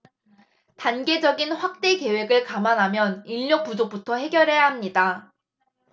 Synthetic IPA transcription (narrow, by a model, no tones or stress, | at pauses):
tanɡe̞d͡ʑʌɡinɸwak̚t͈e̞ke̞we̞ɡɯɭkamanɦamjʌniʎːʌk̚p͈ud͡ʑok̚p͈utʰʌhe̞ɡjʌɾɦe̞jaɦamɲida